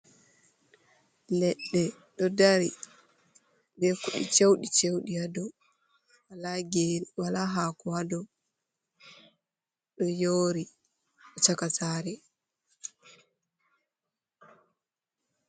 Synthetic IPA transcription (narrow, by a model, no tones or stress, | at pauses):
lɛɗːɛ | ɗɔdaɾi | bɛkuɗḭt͡ʃewɗit͡ʃewɗijadɔ | walaɡeːniwalaɦaːkuadɔ | ɗɔjoːɾi | ɗɔt͡ʃakataːɾɛ